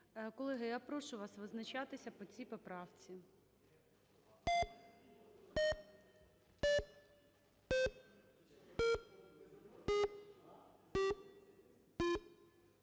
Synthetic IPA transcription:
kɔlˠɪɦɪjapɾɔʃʊʋɑsʋɪznɐt͡ʃɑt̪ɪsʲɐpɔt͡sʲipɔpɾɑwt͡sʲi

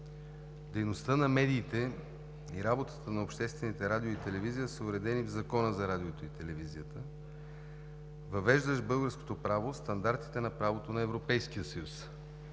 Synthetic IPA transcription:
d̪ɛjnost̪ənɐmɛd̪iːt̪ɛ | iɾabot̪ə̥t̪ənɐopʃt̪ɛst̪vɛnit̪ɛɾad̪ʲioit̪ɛlɛvizijəsəʊɾɛd̪ɛnivzɐkɔnəzɐɾad̪ʲiot̪oit̪ɛlɛvizijət̪ə | vɐvɛʒd̪əʃbɤlˠɡəɾsko̥t̪opɾavost̪ɐnd̪aɾt̪i̥t̪ɛnɐpɾavot̪onɐɛvɾopɛjsk̟ijəsəjus

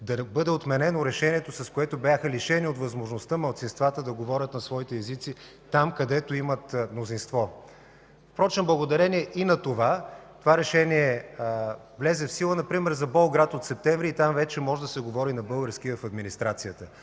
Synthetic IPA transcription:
d̪ɐbɤd̪ɛot̪mɛnɛnoɾɛʃɛnʲiɛt̪osɐskoɛt̪obʲjaxəliʃɛniot̪vɐzmoʒnost̪əmɐlˠt̪sinst̪vat̪əd̪ɐɡovɔɾʲət̪nɐsvɔit̪ɛːzit̪si | t̪amkɐd̪ɛt̪oimət̪mnozinst̪vɔ | fpɾɔt͡ʃɛnoblˠɐɡod̪ɐɾɛniɛʔinɐt̪ovat̪ovaɾɛʃɛniɛ | vlɛzɛfsilˠənɐpɾimɛɾzɐbɔlˠɡɾat̪ot̪sɛp̚t̪ɛɱvɾiːt̪amvɛt͡ʃɛmɔʒɛd̪ɐsɛɡovɔɾinɐbɤlˠɡəɾskivɐfɐd̪minist̪ɾat̪sijət̪ə

